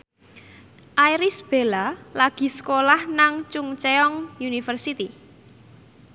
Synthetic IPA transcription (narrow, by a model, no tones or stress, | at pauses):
ʔajɾisb̥elalaɡ̥i̤sə̥kolahnaŋt͡ʃuŋt͡ʃeɔŋjunifərsit̪i